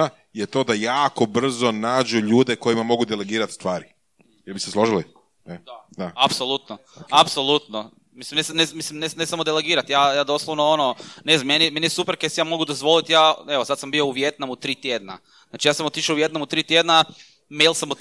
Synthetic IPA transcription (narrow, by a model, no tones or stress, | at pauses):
a | jet̪o̞ːd̪ajaːko̞br̩zonaːd͡ʑuʎuːd̪eko̞jimamo̞ɡud̪ele̞ɡiːɾat̪st̪ʋaːɾi | jeɾbiseslˠoʒili | ed̪ad̪aapsolˠut̪no | apsolˠut̪no | mislimnesmnemislimnenesamod̪eleɡiːɾat̪jaːjaːd̪o̞slˠoʋnoononezamenimenisupeɾkesijaːmo̞ɡud̪ozʋo̞lit̪jaːeʋosad̪sambio̞uʋjet̪namut̪ɾiːt̪jed̪na̰ | znaːt͡ʃijaːsamot̪iʃouʋje̞t̪namut̪ɾiːt̪jed̪na | mejlˠsamo